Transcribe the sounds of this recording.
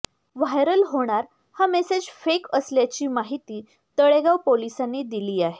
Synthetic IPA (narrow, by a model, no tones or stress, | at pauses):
ʋajɾəlɦoɽ̃aɾ | hamesed͡ʑfekəsljat͡ɕiːmaɦit̪iː | t̪əɭeɡawpolisanːed̪iliːaɦe